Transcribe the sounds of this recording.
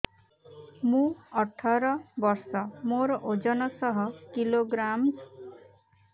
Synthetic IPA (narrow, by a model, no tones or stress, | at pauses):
mũʌʈʰɔɾʌbʌɾsɔmoɾɔʔod͡ʒʌnɔsʌɦʌkiloɡɾam